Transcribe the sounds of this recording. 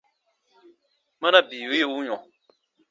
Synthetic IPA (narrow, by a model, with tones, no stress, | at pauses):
mã˦na˦biː˨e˦je˦˨u˦ɲɔ̃˨